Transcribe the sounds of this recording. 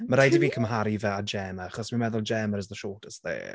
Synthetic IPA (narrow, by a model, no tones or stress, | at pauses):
məɾajdiviːkʰəmɦaɾivɛad͡ʒɛːmaaχɔsmənmɛðʊlˠd͡ʒɛːməɾəzðəʃɔːtʰəstðḛː